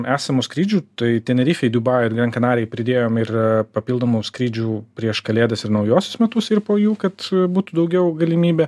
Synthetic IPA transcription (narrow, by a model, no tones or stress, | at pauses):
ʔæːsɐmuːskɾʲiːd͡ʒʲuːt̪ɐɪt̪ʲɛnʲɛɾʲiːfʲɛɪd̪ʲubɑɪɪrɡɾʲɛŋkɐnɑːɾʲɛɪpʲɾʲɪd̪ʲeːjoːmɪrpɐpʲilˠd̪oːmuːskɾʲiːd͡ʒʲuːpʲɾʲiɛʃkɐlʲeːd̪ɐsɪɾnɐʊjoːsʲʊsmʲɛt̪ʊsɪrpoːjuːkɐt̪buːt̪uːd̪ɐʊɡʲɛʊɡɐlʲɪmʲiːbʲɛ